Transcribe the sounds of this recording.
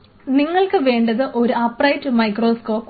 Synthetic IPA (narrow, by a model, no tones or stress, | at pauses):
niŋːɐɭkɨʋe̞ːɳɖɐðɨʔo̞ɾuɐpːrɐjtːɨmɐjkro̞ːsko̞ːp